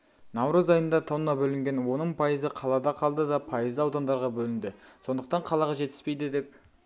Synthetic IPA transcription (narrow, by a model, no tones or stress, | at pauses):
nɑwɾɑzɑjənd̪ɑt̪ʰɑwnɑbɵlɪŋɡʲe̞nwo̞nəɴpʰɑjəzəqʰɑlˠɑd̪ɑqʰɑlˠd̪əd̪ɑpʰɑjəzɑwd̪ɑnd̪ɑɾʁɑbɵlɪnd̪ɪso̞nd̪əqt̪ɑɴqʰɑlˠɑʁɑʒe̞t̪ɪ̥spejd̪ɪd̪e̞p̚